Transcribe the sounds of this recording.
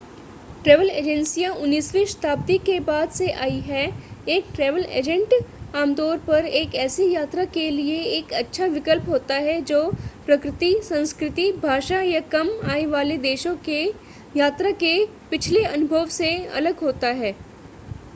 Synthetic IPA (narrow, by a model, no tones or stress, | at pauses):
ʈɾɛːʋəleːd͡ʒɛ̃nsijãʔʊnːiːsʋiʃt̪ʰaːb̚t̪ikebaːd̪seʔaːiɦɛeːk̚ʈɾɛːʋəlḛːd͡ʒə̃ɳʈaːmd̪ɔːɾpɐɾeːkɛːsijaːt̪ɾakelieeːkɐtːʃʰaʋɪkəlpɦoːt̪aɦɛd͡ʒoːpɾɐkɾɪt̪isɐ̃nskɾɪt̪ibʱaːʃajakɐmaːneʋaːled̪eːʃõke | jaːt̪ɾake | pɪt͡ʃʰleɐnʊbʱəʋseɐ̰ləɡɦoːt̪aɦɛː